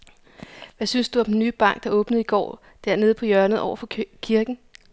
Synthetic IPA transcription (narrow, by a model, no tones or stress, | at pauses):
ʋæsynsd̥uæmd̥enːy̰ːb̥ɑ̈ŋ̰ɡ̥̚d̥ɑ̈ɔ̽ːb̥nəð̩ˠiɡ̥ɒ̰ː | d̥æɐne̝ːð̞̩ˠpʰɒ̽jɶɐnð̩ˠʔɒ̰ʊɐfɒ̽kʰiɐɡ̥n̩